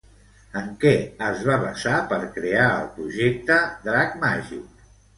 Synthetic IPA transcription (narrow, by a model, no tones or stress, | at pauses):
əŋkɛəzβaβəsapəɾkɾeaə̰lˠpɾuʒek̚t̪əd̪ɾakmaʒḭk